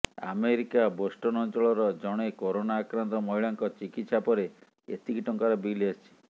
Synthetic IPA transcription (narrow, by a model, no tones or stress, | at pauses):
a̰meɾikabosʈɔnɔnt͡ʃɔɭɔɾɔd͡ʒɔɽ̃ekoɾonaːkɾant̪ɔmɔɦiɭaŋkɔt͡ʃikit̪sapɔɾe | ḛt̪ikiʈɔŋkaɾabiliat͡ʃʰi̥